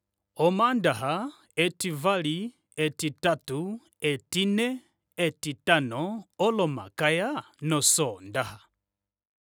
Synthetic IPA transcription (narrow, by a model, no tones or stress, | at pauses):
ɔmandaɦa | ɛtivali | ɛtitatu | ɛtinɛ | ɛtitanɔɔlɔma̰kaja | nɔsɔndaha